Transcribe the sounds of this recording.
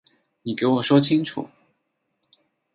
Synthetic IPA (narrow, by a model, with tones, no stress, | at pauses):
ni˨˩ke˧˥ɪwɔ˨˩ʂwɔ˥t͡ɕʰi˥ŋʈ͡ʂʰṵ˨˩˦